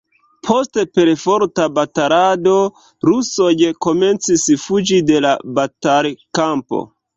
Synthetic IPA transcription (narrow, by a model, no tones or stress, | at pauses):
pʰo̞stepe̞ɾfo̞ɾtabataɾado̞ | ɾusojko̞me̞nt͡sisfud͡ʒide̞labataɾkampo̰